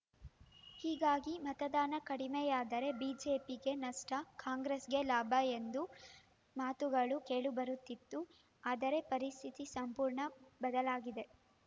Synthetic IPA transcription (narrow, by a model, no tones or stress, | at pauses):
hiːɡaːɡimɐt̪ɐd̪aːnɐkɐɽimejaːd̪ɐɾe̞biːd͡ʒeːpiɡe̞nɐʂʈɐkaːŋɡɾesɡe̞laːbʱɐend̪u | maːt̪uɡɐɭuke̞ːɭubɐɾut̪ːit̪ːu | aːd̪ɐɾe̞pɐɾist̪ʰit̪isɐmpuːɾɳɐbɐd̪ɐlaːɡid̪e̞